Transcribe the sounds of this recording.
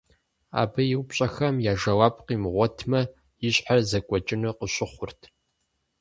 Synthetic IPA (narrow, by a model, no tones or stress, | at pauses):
a̰ːbɐjɪwpɕʼɐxɐmjaːʒɐwaːp̚qiːmʁʷɔtʰmɐ | jɪɕʼħarzɐkʷʼɔt͡ʃʼɪnɨqəɕɪχʷʊrtʰ